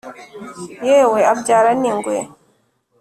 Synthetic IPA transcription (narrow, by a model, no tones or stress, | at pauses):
jeweab̚d͡ʒaɾaniŋɡwe